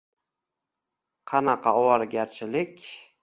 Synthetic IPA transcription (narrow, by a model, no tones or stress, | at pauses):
qʰɑnɑqʰɑɒwɑɾɡʲaɾt͡ʃʰɪlɪkʲ